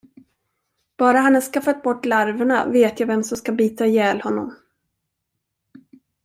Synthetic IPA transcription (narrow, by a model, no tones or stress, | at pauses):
b̥ɑːɾaɦanhaʂkafat̪̚bɔʈːlaɾvəɳa̰veːt̪javɛmsɔmskabiːt̪ajɛːlhɔnːɔ̰m